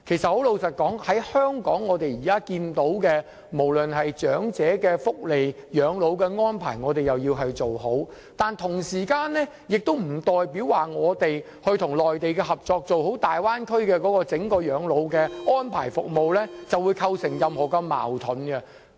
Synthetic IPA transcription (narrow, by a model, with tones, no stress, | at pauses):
kʰe˨˩jsɐ˨t̚ho˨˥wlo˨˧wsɐ˨t̚kɔː˨˥ŋhɐ˨˥jhœː˥ŋkɔː˨˥ŋːɔː˨˧t̪e˨jiː˨˩kaː˥kiː˧nt̪o˨˥wkɛː˧ | mo˨˩wlɵ˨nɦɐ˨jt͡ʃœː˨˥ŋt͡sɛː˨˥kɛː˧fʊ˥k̚le˨jjœː˨˥ŋlo˨˧wkɛː˧ŋɔː˥npʰa̰ː˨˩jŋɔː˨˧t̪̬e˨jɐ˨wjiː˧wɦɐ˨jt͡ʃo˨who˨˥w | t̪aː˨nt̪ʰʊ˨˩ŋsiː˨˩kaː˧nlɛ˥ | jɪ˨k̚t̪o˥wm̩˨˩t̪ɔː˨jpiː˨˥wwaː˨ŋɔː˨˧t̪e˨j | hɵ˧ɥt̪ʰʊ˨˩ŋlɔː˨jt̪e˨jkɛ˧hɐ˨p̚t͡sɔː˧k̚t͡so˨who˨˥wt̪aː˨jwaː˥nkʰɵ˥ɥkɛː˧kɔː˨˥kɔː˧t͡sɪ˨˥ŋkɔː˧jœː˨˧˥ŋlo˨˧˥wkɛː˧ŋɔː˥npʰa̰ː˨˩jfʊ̰˨k̚mo˨wlɛː˥t͡sɐ˨wuː˨˧jkʰɐ˧wsɪ˨˩ŋjɐ˨mhɔː˨˩kɐ˧mːa̰ː˨˩wt̪ʰʊ˨˥nkɛ˧